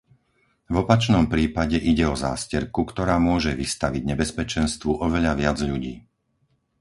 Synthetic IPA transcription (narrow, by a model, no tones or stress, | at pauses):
vɔpat͡ʃnɔmpɾiːpaɟɛʔiɟɛɔza̰ːscɛɾkukt̪ɔɾaːmʊɔʒɛʋist̪aʋiɟɲɛbɛspɛt͡ʃɛnst̪ʋuʔɔʋɛʎaʋɪad͡zʎuɟiː